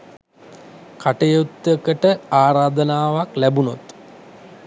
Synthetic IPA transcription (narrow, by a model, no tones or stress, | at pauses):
kaʈəjot̪ːəkəʈəaːɾaːd̪ənaːʋaklæbunot̪